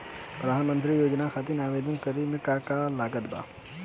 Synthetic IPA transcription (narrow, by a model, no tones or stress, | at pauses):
pɾəd̪ʱanmə̃nt̪̬ɾijoːd͡ʒnakʰat̪inaːʋeːd̪ənkəɾimɪkakalaːɡət̪ba̰ː